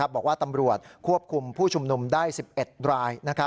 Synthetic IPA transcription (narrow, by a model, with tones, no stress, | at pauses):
p̚bɔː˨˩k̚waː˥˩t̪a˧mɾu˨˩ət̪̚kʰu˥˩əp̚kʰu˧mpʰuː˥˩t͡ɕʰu˧mnu˧mdaː˥˩jsi˨˩p̚ʔe˨˩t̪̚ɾaː˧jna˦˥kʰa˦˥